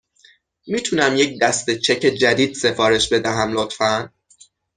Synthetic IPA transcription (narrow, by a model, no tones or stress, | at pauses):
miːt̪ʰunæmjec̚d̪æst̪e̞t͡ʃʰe̞cʰe̞d͡ʒæd̪iːd̪̥se̞fɒːɾe̞ʃbe̞d̪æɦæmlot̪fæn